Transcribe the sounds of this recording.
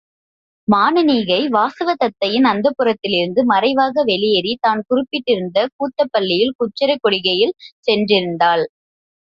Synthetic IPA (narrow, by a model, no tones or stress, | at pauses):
maːnɯniːɣɐɪʋaːsɐʋɐt̪ɐt̪ːɐjɪnɐnd̪ɐpːɯrɐt̪ːɪlɪɾɯnd̪ɯmɐrɐɪʋaːɣɐʋɛɭɪjɛɾit̪aːnkʊrɪpːɪʈːɪɾɯnd̪ɐkuːt̪ːɐpːɐɭːɪjɪlkʊt͡ʃːɐɾɐɪkːɔɽɪɣɐjɪlsɛndrɪɾɯnd̪aːl